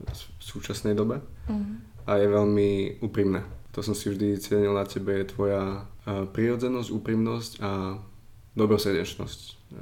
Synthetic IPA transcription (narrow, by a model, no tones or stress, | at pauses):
fsuːt͡ʃasnɛjd̪ɔbɛ | ʔajɛʋɛlmiuːpɾimnɛːt̪ɔsɔmsivʒd̪it͡sɪɛɲilnacɛbɛjɛt̪ʋɔjapɾiɾɔd͡zɛnɔzɟuːpɾimnɔsca | d̪ɔbɾɔsrɟɛt͡ʃnɔ̰sc